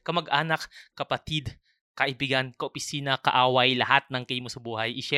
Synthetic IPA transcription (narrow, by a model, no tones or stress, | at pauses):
kɐmɐɡʔaːnɐkːɐpɐt̪id̪ | kɐʔɪbiɡɐnkɐʔopɪsiːnɐkɐ̰ʔaːwɐjlɐhat̪̚nɐŋkɛjmosɐbuːhɐjʔɪʃɛ